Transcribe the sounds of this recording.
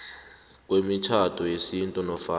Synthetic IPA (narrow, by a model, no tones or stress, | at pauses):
k̬ʼwemit͡ʃʰatʰɔjesintʼunɔfa